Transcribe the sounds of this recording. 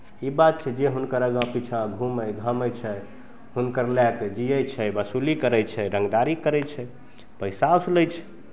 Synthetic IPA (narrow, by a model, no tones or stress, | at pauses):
ibat̪̚t͡ʃʰɛd͡ʒeɦunkəɾəɡãpit͡ʃʰãɡʱuməjɡʱəməjt͡ʃʰɛ | hunkəɾlɛked͡ʒijəjt͡ʃʰɛbəsulikəɾɛjt͡ʃʰɛɾəŋɡd̪aɾikəɾɛjt͡ʃʰɛ | pəjsasləjt͡ʃʰɛ̥